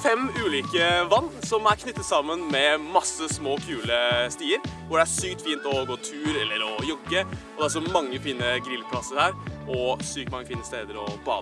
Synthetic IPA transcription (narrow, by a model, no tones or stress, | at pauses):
fɛmʉːliːkəʋɑnːsɔmæɾkʰnʏt̪ːət̪sɑmːənmɛmɑsəsmoːkʰʉːləst̪iːəɾʋʊɖɛæʂyːk̚t̪fiːnt̪ɔɡoːt̪ʰʉːɾɛlːəɾɔjʊɡəɔd̪ɛæɾʂɔmɑŋːəfiːnəɡɾɪlpʰlɑsəɾhæːɾɔsyːkt̪mɑŋːəfiːnəst̪eːd̪əɾɔ̰bɑ̰ːd̪ə